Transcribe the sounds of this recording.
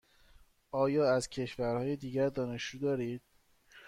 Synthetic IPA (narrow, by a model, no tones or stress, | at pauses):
ʔɒːjɒːæzcʰe̞ʃvæɾhɒːjed̪iːɟæɾd̪ɒːne̞ʃd͡ʒuːd̪ɒːɾiːd̪̥̚